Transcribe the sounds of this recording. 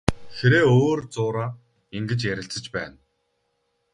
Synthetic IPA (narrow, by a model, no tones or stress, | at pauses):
xeɾeːoːrt͡sʊːɾaː | iŋɡɘ̆t͡ɕjæɾʲɪ̆ɬt͡sə̆t͡ɕpæːn